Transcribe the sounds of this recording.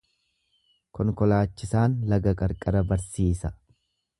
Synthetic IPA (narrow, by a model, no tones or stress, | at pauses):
kɔŋkɔlaːt͡ʃːɪsaːnlɐɡɐkʼɐɾkʼɐɾɐbɐɾsiːsɐ